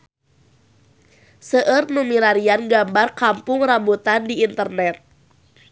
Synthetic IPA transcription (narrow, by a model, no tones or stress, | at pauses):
səʔərnumiɾaɾianɡambarkampʊŋrambut̪andiːnt̪ərnɛt̪̚